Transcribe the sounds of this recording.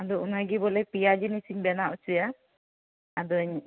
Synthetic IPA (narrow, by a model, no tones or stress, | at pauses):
ad̪ɔunaɡibɔlɛpijad͡ʒinisiɲbɛnaʔut͡ʃuja | ad̪ɔɲ